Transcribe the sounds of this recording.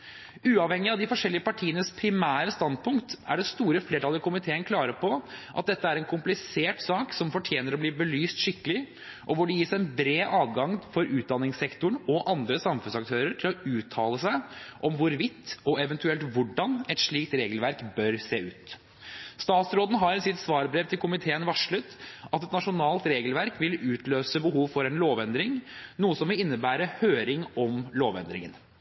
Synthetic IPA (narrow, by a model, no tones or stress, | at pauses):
ʉːɑʋhɛŋːɪɑʋd̪ɪfɔʂɛlːɪəpɑʈʰiːənəspʰɾɪmæːɾəst̪ɑnd̪̚pʰʊŋkt̪æ̰ɖɛst̪uːɾəfleːʈɑlːəkʊmɪt̪ʰeːənkʰlɑːɾəpɔʔɑt̪̚d̪ɛt̪ːəæɾɛnkʰʊmplɪseːʈsɑːksɔmfɔʈʰjeːnəɾɔbliːbəlyːst̪ʂɪkːəlɪ | ʔɔʋʊɖɛjiːsæɛnbɾeːʔɑːʋɡɑŋfɔɾʔʉːt̪̚d̪ɑnːɪŋsɛkt̪ʊɳɔʔɑnd̪ɾəsɑmfʉnsɑkt̪ʰøːɾəʈʰɪlɔʉːt̪ʰɑːləsæɪʔɔmʋʊɾʋɪt̪ːɔɛʋɛnt̪ʉɛlt̪ʋʊɖɑnɛt̪ʂɭiːk̚t̪ɾeːɡəlʋæɾkbœɾseːʉːt̪ | st̪ɑːt̪sɾoːd̪n̩ɦɑɾnsɪt̪sʋɑːɾbɾɛːʋt̪ʰɪlkʰʊmɪt̪ʰeːənʋɑʂɭʉt̪ːɑt̪ɛt̪nɑʂʊnɑːlt̪ɾeːɡəlʋæɾkʋɪlʉːt̪løːsəbəɦuːʋfɔɾɛnloːʋɛnd̪ɾɪŋnuːəsɔmʋɪlɪnːəbæːɾəhøːɾɪŋɔmloːʋɛ̰nd̪ɾɪ̰ŋən